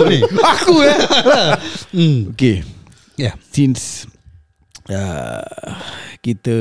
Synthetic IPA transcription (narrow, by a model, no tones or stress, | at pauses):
niakujɛ | oke | jasins | ə̰ | kit̪ə